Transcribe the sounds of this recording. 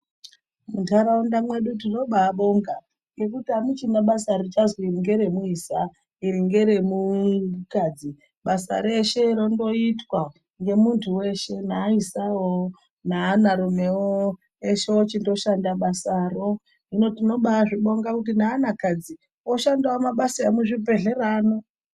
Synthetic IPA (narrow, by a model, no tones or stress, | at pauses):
muntʰaɾaundamwe̞ɗutino̞ɓaːɓo̞ŋɡa | ŋɡe̞k̬utiamut͡ʃinaɓasaɾit͡ʃazoiiŋɡe̞ɾe̞muisa | iɾiŋɡe̞ɾe̞mukaːd͡zi | ɓasa̰ɾeʃe̞ɾondo̞itwa | ŋɡe̞muntʰuwe̞ʃe̞naːisawo | nanaɾume̞wo | eʃe̞ot͡ʃindo̞ʃandaɓasaːro̞ | ino̞tino̞ɓaʐiɓo̞ŋɡakut̬inaːnakad͡zi | oʃandawomaɓasaemuʐipe̞ɮe̞raːno̞